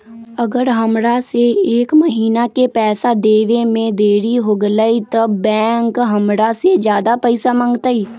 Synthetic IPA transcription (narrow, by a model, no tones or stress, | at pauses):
əɡəɾɦəmɾaseeːkmɐɦiːnakepɛːsad̪eːʋemẽd̪eːɾiɦoɡləit̪ɐbːɛ̃ːŋkɦɐmɾased͡ʒjaːd̪apəɪsamə̃ŋɡt̪aiː